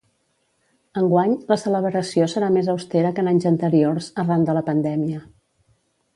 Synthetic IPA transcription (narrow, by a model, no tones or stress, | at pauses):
əŋɡwaɲləsələβɾəsiosəɾamezəwst̪ɛɾəkənaɲzənt̪əɾiorzərand̪ələpənd̪ɛmiə